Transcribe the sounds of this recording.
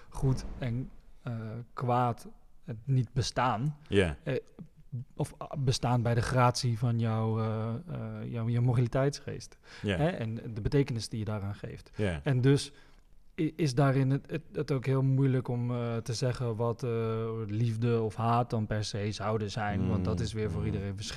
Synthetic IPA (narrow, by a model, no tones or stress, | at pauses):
χutɛn | kʋaːtənit̚bəstaːn | ɔfbəstaːnbɛjdəχraːtsivɔnjɔw | jɔwjɔwmobilitɛjtsχḛːstɦɛʔɛ̰ndəbətejkənɪsdijədaːraːnχḛjftɛndøs | ɪsdaːɾɪnətowkɦɪəlˠmujləkɔmtəzɛχənʋɔt | livdəɔfɦaːt̚dɔnpɛɹsejzawdəzɛjnʋɔntdɔtɪsʋɪːɹvoːɾidərejnfəsχ